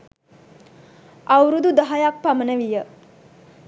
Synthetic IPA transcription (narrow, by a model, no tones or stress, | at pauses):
awɾud̪ud̪aɦajak̚pamənəʋijə